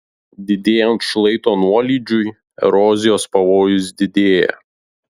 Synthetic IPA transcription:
d̪ʲɪd̪ʲeːjɛnt̪ʃlˠɐɪt̪oːnuɔlʲiːd͡ʒʲʊj | ɛ̰ɾɔːzʲɪjoːspɐʋoːjʊs̬d̪ʲɪd̪ʲeːjɛ̰

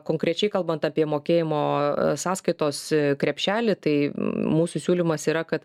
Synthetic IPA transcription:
koːŋkɾʲɛt͡ʃʲɛɪkɐlˠbɐnt̪ɑːpʲiɛmoːkʲeːjɪmoːsɑːskɐɪt̪oːskɾʲɛpʲʃʲæːlʲɪt̪ɐɪmuːsʊsʲuːlʲimɐsiːɾɐkɐt̪

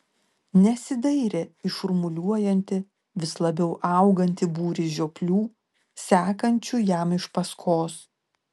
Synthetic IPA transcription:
nʲɛsʲɪd̪ɐɪɾʲeɪʃʊɾmʊlʲuɔjɛnʲt̪ʲɪ | ʋʲɪslˠɐbʲɛʊʔɑˑʊɡɐnʲt̪ʲɪbuːɾʲɪʒʲoːklʲuː | sʲæːkɐnʲt͡ʃʲujɛmɪʃpɐskʰoːs

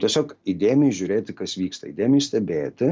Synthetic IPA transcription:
t̪ʲiɛsʲoːkid̪ʲeːjmʲɪɪʒʲʊɾʲeːt̪ʲɪkɐsʋʲiːkst̪ɐḭd̪ʲeːmʲɪjsʲt̪ʲɛbʲeːt̪ʲɪ

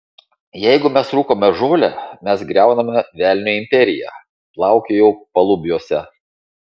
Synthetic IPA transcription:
jɛɪɡʊmʲɛsɾuːkoːmʲɛʒoːlʲɛ̰mʲɛsɡɾʲæˑʊnɐmʲɛʋʲæːlʲnʲoɪmʲpʲɛɾʲɪjæ̰ | plˠɑˑʊkʲejɛʊpɐlˠʊbʲjoːsʲɛ

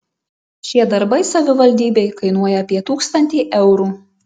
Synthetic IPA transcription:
ʃʲiɛd̪ɐɾbɐɪsɐʋʲɪʋɐlʲd̪ʲiːbʲɛɪkɐɪnuɔjɛɐpʲiɛt̪uːkst̪ɐnʲt̪ʲiːʔɛʊɾuː

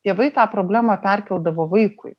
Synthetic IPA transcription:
t̪ʲeːʋɐɪt̪ɑːpɾoːbʲlʲæːmɑpʲɛɾʲkʲɛlˠd̪ɐʋoːʋɐɪkʊɪ

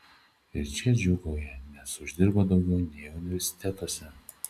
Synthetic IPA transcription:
ɪɾt͡ʃʲɛd͡ʒʲʊɡoːjɛnʲɛsʊʒʲd̪ʲɪɾboːd̪ɒʊɡʲɛʊnʲɛɪʊnʲɪʋʲɛɾʲsʲɪ̥t̪ʲɛt̪oɔsʲɛ

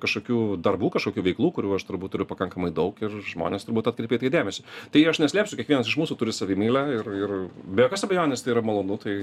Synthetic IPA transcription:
kɐʃkoːkʲuːd̪ɐrbuːkɐʃkoːkʲuːʋʲɛɪklˠuːkʊɾʲuːɐʃt̪ʊɾbuːt̪t̪ːʊɾʲʊpɐkɐŋkɐmɐɪd̪ɐʊkɪrʒmo̰ːnʲeːst̪ʊɾbuːt̪ɐt̪kɾʲɛɪpʲeːt̪ɐɪd̪ʲæːmʲɛsʲɪt̪ɐɪɐʃnʲɛsʲlʲæːpsʲʊkʲiɛkʋʲiɛnɐs̬ɪʃmuːsuːtʊɾʲɪsɐʋʲɪmʲiːlʲæɪrɪrbʲɛjokɐsɐbʲɛjoːnʲɪst̪ɐɪiːɾɐmɐlˠoːnʊt̪ɐɪ

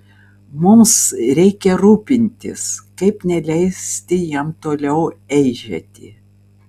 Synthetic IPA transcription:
mʊmsɾʲɛɪkʲɛɾuːpʲɪnʲt̪ʲɪ̰skɐɪpnʲɛlʲɛɪsʲt̪ʲɪjɛmt̪oːlʲɛʊɛɪʒʲɛ̰t̪ʲɪ

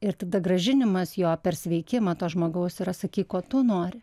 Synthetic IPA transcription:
ɪɾt̪ɐd̪ɐɡɾɐʒʲɪnʲɪmɐsjoːpʲɛrsʲʋʲɛɪkʲɪmɐːt̪oːʒmoːɡɐʊsɪɾɐsɐkʲiːkoːt̪ʊnoːɾʲɪ

